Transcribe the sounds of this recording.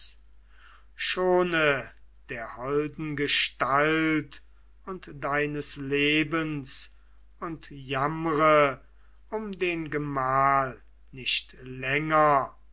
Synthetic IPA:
ʃoːnəd̥eːɐhɔldn̩ɡəʃtalt | ʊntd̥aɪnəsleːbəns | ʊntjamʁə | ʊmdeːnɡəmaːl | nɪʃtlɛŋɐ

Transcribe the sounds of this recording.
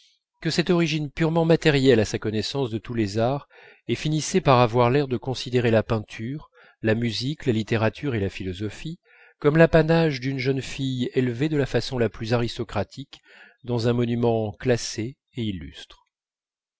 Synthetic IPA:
kəsɛt̪ɔʁiʒinpyʁmɑ̃mat̪ɛʁjɛlasakɔnɛsɑ̃sd̪ət̪ulezaʁ | efinisɛpaʁavwaʁlɛʁd̪əkɔ̃sid̪eʁelapɛ̃t̪ʰyʁ | lamyziklalit̪eʁat̪ʰyʁelafilɔzɔfi | kɔmlapanaʒd̪ynʒənfijelved̪əlafasɔ̃laplyzaʁist̪ɔkχat̪ʰik | d̪ɑ̃zɛ̃mɔnymɑ̃klase | eilːy̰st̪χ

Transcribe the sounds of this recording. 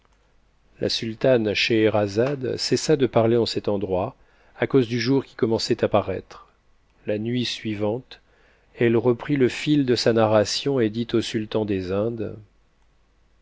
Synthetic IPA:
lʔa̰sylt̪anʃeʁazad̪sɛsad̪əpaʁleɑ̃sɛt̪ɑ̃d̪ʁwa | akozd̪yʒuʁkʲi̥kɔmɑ̃sɛt̪apaʁɛ̰t̪χ | lanɥisɥivɑ̃t̪ | ɛlʁəpχiləfild̪əsanaʁasjɔ̃ed̪it̪osylt̪ɑ̃d̪ezɛ̃d̪

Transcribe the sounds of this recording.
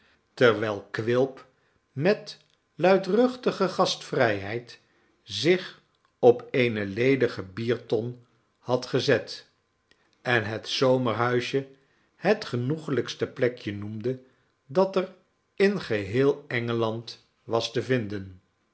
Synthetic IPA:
təɹʋɛlˠkʋɪlˠp | mɛt | lœɥtrɵχtəχəχɑstfrɛjɦɛjt | zɪχ | ɔpejnəlejdəχəbiːɹtɔn | hɑtχəzɛt | ɛnɦətsowməɹɦœɥʃjə | hətχənuχələkstəplɛkjənumdə | dɑtɛr | ɪnχəɦɪːlˠɛŋəlɑnt | ʋɑstəvɪndən

